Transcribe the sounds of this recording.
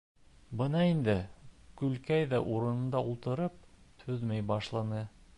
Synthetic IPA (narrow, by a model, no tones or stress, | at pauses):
bɤnɑind̪ɘkʉlkæjðæʔuɾɤ̆nɤ̆nd̪ɑulˠt̪ɤ̆ɾɤp̚ | tʉðmæjbɑʃlˠɑnɤ